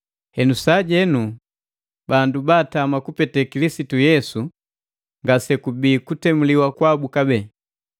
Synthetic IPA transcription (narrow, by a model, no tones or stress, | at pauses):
hɛnusaɟɛnu | bandubaːtamakupɛtɛkilisitujɛsu | ŋɡasɛkubiːkutɛmuliwakwabukabɛː